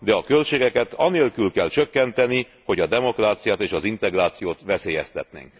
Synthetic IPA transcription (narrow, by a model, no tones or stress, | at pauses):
d̪ɛɒkø̞lt͡ʃeːɡɛkɛt̪ɒneːlkylkɛlt͡ʃø̞kːɛnt̪ɛni | ho̞ɟɒd̪ɛmo̞kraːt̪sijaːt̪eːʃɒzint̪ɛɡraːt̪sijoːt̪ʋɛseːjɛst̪ɛt̪nḛːŋk